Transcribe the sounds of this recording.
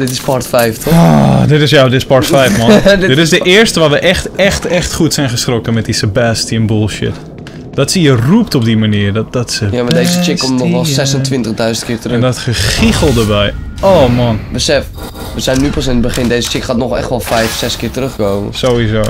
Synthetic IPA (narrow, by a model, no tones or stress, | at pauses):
dɪtɪspɔrtfɛjftʰɔɔdɪtɪsjadɪtɪ̥spɔɹtfɛjfmɔdɪtɪsdəʔɪərstəʋaːʋəʔɛχtɛxtɛxtχuətsɛjnχəstrokəmɛt̚disəbasətiənbʊlˠʃɪ̰t | d̥ɔtsiərup̚tɔp̚dimaniərdɔtdɔtsəjamadejzət͡ʃɪkkːɔmtnɔxʋɛlˠsɛsəntʋɪ̃ntəχdœɥzəntkɪːrtərɛndɔtχəχixəlˠdəbɛj | oːmɔnbəsɛf | ʋəsɛjnːypɔs̬ɪnət̚bəχɪndeːzət͡ʃɪkχaːtnɔχɛ̰xtʋɔlˠfɛjfsɛskɪːrtərøxkoːmə̰soizoː